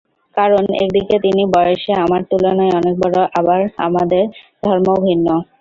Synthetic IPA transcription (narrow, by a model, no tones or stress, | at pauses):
kaɾonḛkd̪iket̪inibɔjoʃeamaɾt̪ulonaeɔnek̚baɾoʔabaɾa̰mad̪eɾd̪ʱɔɾmobʱinːo